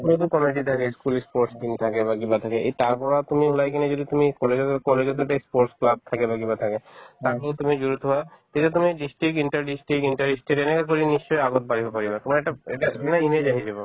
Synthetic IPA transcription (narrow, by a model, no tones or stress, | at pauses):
t̪umit̪̬ukɔmeʈit̪ʰakeskulispoɾʈskinit̪ʰakebaɡibat̪ʰakeʔejt̪aɾpɔɾat̪umiulajkɛned͡ʒod̪it̪umikɔleɡ̪kɔleɡet̪̬ueʈaispoɾsklab̚t̪ʰakebaɡibat̪ʰaket̪akolt̪umid͡ʒuɾut̪ɦoat̪etat̪umiɖisʈɾikiɳʈəɾɖisʈɾikinʈaɾisʈeɾenekak̬oɾinist͡ʃɔjaɡot̪̚baɾibopaɾibat̪ɔmaeʈaḛʈanained͡ʒaɦid͡ʑebo